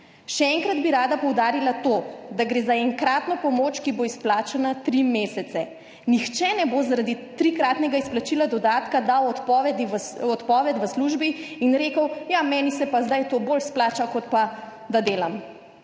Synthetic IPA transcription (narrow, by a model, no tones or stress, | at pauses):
ʃɛɛŋkɾad̪biɾaːd̪apɔwd̪aːɾilat̪oːd̪aɡɾeːzaɛŋkɾaːt̪nɔpɔmoːt͡ʃkiboisplaːt͡ʃanat̪ɾimeːsɛt̪sɛ | nixt͡ʃɛnɛbozaɾad̪it̪ɾikɾaːt̪nɛɡaisplat͡ʃilad̪ɔd̪aːt̪kad̪awɔt̪pɔʋɛd̪iɔt̪pɔːʋɛt̪ʋəsluʒbiinɾeːkəwjamɛːnisɛpazd̪ajt̪obolsplaːt͡ʃakɔt̪pa | d̪ad̪eːlam